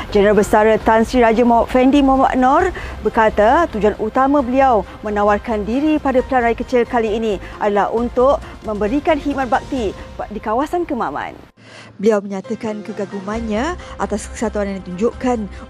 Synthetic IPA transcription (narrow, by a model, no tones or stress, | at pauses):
d͡ʒənəɾalbəsaɾət̪ansɾiɾad͡ʒamɔʔfɛndimɔma̰ʔnɔrbərkat̪at̪ud͡ʒuanʔut̪amãbəliaw | mə̃nawarkandiɾipadapəlanrajəkət͡ʃɪlkaliːnĩʔadalaɦʔunt̪ʊʔmə̃mbəɾikanhimat̪̚bak̚t̪idikawasankəmamã̰n | bəliawməɲat̪əkankəɡaɡumãnɲãʔat̪askə̥sat̪uanandit̪uɲd͡ʒoʔkan